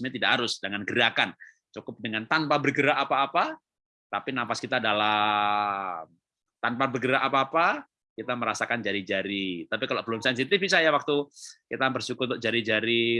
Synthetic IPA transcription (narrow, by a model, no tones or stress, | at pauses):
mɲat̪idaʔhaɾʊsdəŋanɡəɾakan | t͡ʃukʊp̚dəŋant̪anpabərɡəɾaʔːpaːpa | t̪apinampaskit̪aːdala | t̪anpabərɡəɾaʔːpaːpa | kit̪aməɾasakand͡ʒaɾid͡ʒaɾit̪apikalopəlʊnsans̬it̪ifisajawak̚t̪ukit̪abərsukʊt̪ɔʔd͡ʒaɾid͡ʒaɾi